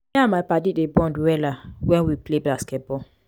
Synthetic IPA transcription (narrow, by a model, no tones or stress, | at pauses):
ɛamajpadidebɔ̃ndwɛlawɛ̃nwipleblaskɛt̚bɔ